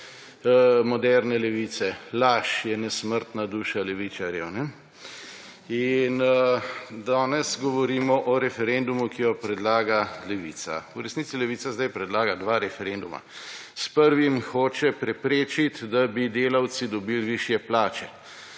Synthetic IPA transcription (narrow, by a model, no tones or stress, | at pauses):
mɔd̪ɛɾnɛlɛʋiːt̪sɛlaʃjɛnɛsməɾt̪nad̪uːʃalɛʋit͡ʃaɾjɛwnɛ | in | d̪aːnɛsɡɔʋɔɾiːmɔʔɔɾɛfɛɾend̪umukijɔpɾɛd̪laːɡalɛʋḭːt̪sa̰uɾɛsnit̪silɛʋiːsazd̪ajpɾɛd̪laːɡad̪ʋaːɾɛfɛɾend̪uma̰spəɾʋimxoːt͡ʃɛpɾɛpɾeːt͡ʃit̪d̪abid̪eːlawt̪sid̪ɔbiːlʋiʃjɛplaːt͡ʃɛ